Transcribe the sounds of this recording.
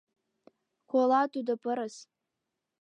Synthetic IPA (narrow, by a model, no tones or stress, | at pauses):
kʷolatʼudɨpʰʼɨɾɨs